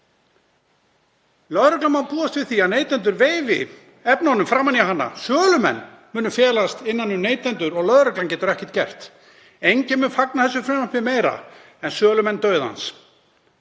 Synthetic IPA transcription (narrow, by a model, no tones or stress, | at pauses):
lœðɾœklanmanpuːast̪vɪðθiaðneːjt̪ɛnt̪ʏɾveːjvɪ̰ | ɛpnaɔnʏmfɾaːmanjaɦanːa̰sœːlʏmɛ̰nːmʏːnʏfjɛːlast̪ɪnːanːʏneːjt̪ɛnt̪ʏɾɔɣlœðɾœklancɛːt̪ʏɾɛhcɛ̥t̪cɛr̥t̪ | ejɲcɪmʏːnfaknaθɛsːʏfɾɛmapɪmeːjɾa̰ | ɛnsœːlʏmɛnːt̪œːɥða̰ns